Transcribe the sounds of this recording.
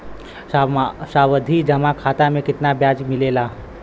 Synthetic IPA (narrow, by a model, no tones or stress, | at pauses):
asaʋəd̪ʱid͡ʒɐmakʰat̪amẽkɪt̪nabjad͡ʒmɪlela